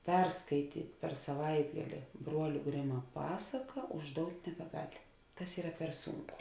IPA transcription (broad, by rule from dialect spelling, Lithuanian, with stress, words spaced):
ˈpʲɛrskɐɪtʲiːtʲ pʲɛr sɐˈʋɐɪdɡɐlʲɪ ˈbruɔlʲʊ ˈɡrʲɪmɐ ˈpɑːsɐkɐ ʊʒˈdoːʊtʲ nʲɛbʲɛˈɡɐlʲ ˈtɐs ˈiːrɐ pʲɛr ˈsuːŋˌkʊ